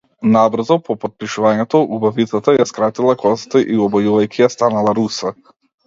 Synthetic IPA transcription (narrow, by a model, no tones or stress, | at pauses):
nabr̩zɔpɔpɔt̪̚piʃuvaɲɛt̪ɔubavit̪sat̪ajaskɾat̪ilˠakɔzat̪aʔiɔbɔjuvajkʰʲijast̪analˠaɾusa